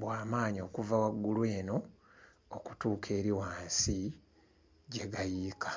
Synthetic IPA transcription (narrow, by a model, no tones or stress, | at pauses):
bwaːmaːɲio̞ːkuvawaɡːulwe̞ːno̞ | oku̥tuːkʰe̞ːɾiwaːnsi | ɟe̞ɡajiːkʰḁ